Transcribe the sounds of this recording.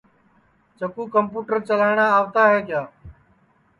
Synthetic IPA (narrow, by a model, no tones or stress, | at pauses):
t͡ʃəkuːkəmpuːʈəɾt͡ʃəlaːɳaːaːʋt̪aːɦeːkɪjaː